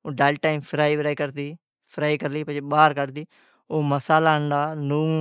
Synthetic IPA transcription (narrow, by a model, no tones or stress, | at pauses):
oːɖaːlʈaːimpʰɾaːiːbɾaːiːkəɾd̪iː | pʰɾaːiːkəɾliːpət͡ʃeːɓaːɾkəɾd̪iː | oːməsaːlaːɳɖaːnũː